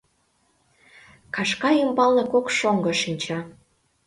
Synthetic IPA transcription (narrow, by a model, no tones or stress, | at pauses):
kɑʃkɑimbɑlnekokʃoŋɡɤ̆ʃinʲt͡ɕɑ